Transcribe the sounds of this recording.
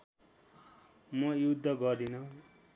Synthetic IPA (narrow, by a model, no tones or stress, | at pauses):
mʌjud̪ʱːʌɡʌrd̪inʌ